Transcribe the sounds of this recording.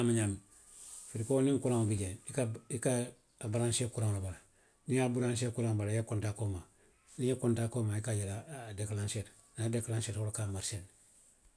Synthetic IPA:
amaɲan | fiɾikoniŋkuɾaŋbiɟenikaikaː | baɾanʃekuɾaŋlabala | niabuɾanʃ̬ekuɾaŋbalajekuntakoma | nijekuntaːkomaikajeladeklanʃet | nadeklanʃetholkamaɾsen

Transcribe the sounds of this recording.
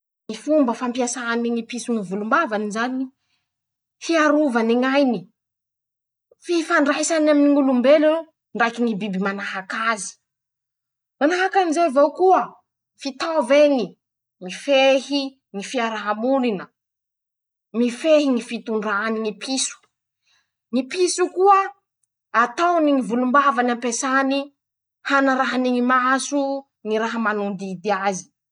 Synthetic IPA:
ŋifumbəfampiasaniŋipisuŋivulumbavanizanii | fiaɾuvaniŋajni | fifaɳɖ͡ʐajsanaminiŋulumbele | ɳɖ͡ʐajkiŋibibimanaɦakazi̥ | manaɦakanizevowkuə | fit̪aveŋi | mifehi | ŋifiaɾaɦamulinə | mifeɦiŋifit̪uɳɖ͡ʐaniŋipʰisu̥ | ŋipisukuə | at̪awniŋivulumbavanampesani | hanəɾaɦaniŋimasu | ŋiɾaɦəmanund̪id̪iazi̥

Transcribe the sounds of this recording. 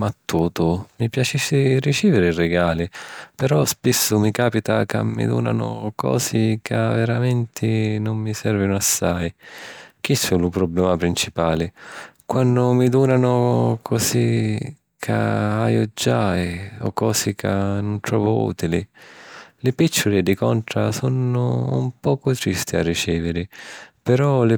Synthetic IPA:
mat̪ːuːt̪ʊmipjat͡ʃisɪrit͡ʃiːvɪɾɪirɪɡaːlɪpɛɾɔspisːʊmikaːpit̪aka̰mːḭd̪ṵːna̰nʊ̰kʰɔ̰ːsɪkʰaveɾamɛnt̪ʰɪnʊmːisɛrvinʊasːaj | k̟isulʊpɾɔblɛːmapɾint͡ʃipaːlɪkwanːʊmid̪uːnanʊkʰɔsi | kʰa̰aːjʊd͡ʒajɔ̰kːɔːsɪkʰanʊnt̪ɾɔːvʊṵːt̪ili | lɪpit͡ʃːʊlɪd̪ikɔnt̪ɾasɔnʊ̰ːmpɔːkʊt̪ɾist̪ia̰rːit͡ʃɛːvɪɾɪpɛɾɔlɪ

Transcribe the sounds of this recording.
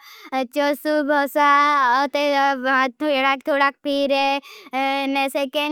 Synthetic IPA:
t͡ʃosubʱɔsaɔt̪et̪ʰɽak̚t̪ʰoɽak̚piɾe | neseke

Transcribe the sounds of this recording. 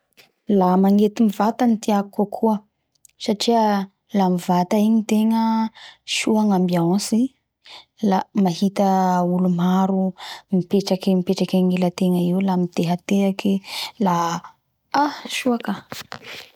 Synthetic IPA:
lamaŋet̪imivat̪anit̪iakukakʰuə | saʈ͡ʂiə | lamivat̪aiɲit̪eŋəʃuaŋambiãsi | lamaɦit̪əulumaɾumipeʈ͡ʂakemipeʈ͡ʂakaŋilət̪eŋəiwlamit̪eɦat̪eakila | aʃuakə

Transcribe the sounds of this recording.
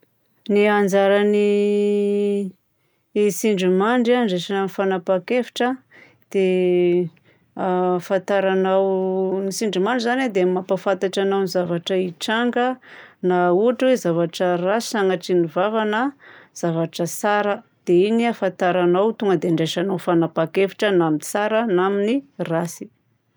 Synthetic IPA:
niand͡zaɾani | siɳɖ͡ʐumaɳɖ͡ʐaɳɖ͡ʐeʃananifanapakefi̥ʈ͡ʂə | d̪̥e | afat̪aɾanawnisiɳɖ͡ʐimaɳɖ͡ʐizaned̪eammapafant̪aʈ͡ʂanawnizavaʈ͡ʂəiʈ͡ʂaŋɡənauaʈ͡ʂwezavaʈ͡ʂərasi̥aŋaʈ͡ʂinivavanəz̥avaʈ͡ʂəsaɾəd̪̥einiafant̪aɾanawt̪uŋɡəd̪eɳɖ͡ʐeʃanawfanapakefi̥ʈ͡ʂənaminsaɾənaminirasi̥

